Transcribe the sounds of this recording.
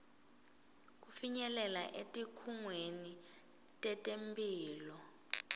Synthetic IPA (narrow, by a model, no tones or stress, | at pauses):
k̬ufiɲɛlɛlaʔetʼikʰuŋweni | tʼɛtʼempʼiːlɔ